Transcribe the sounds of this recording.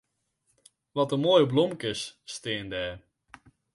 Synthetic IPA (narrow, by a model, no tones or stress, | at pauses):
ʋɔtəmoːjəblɔmkɪsstɪːndɛː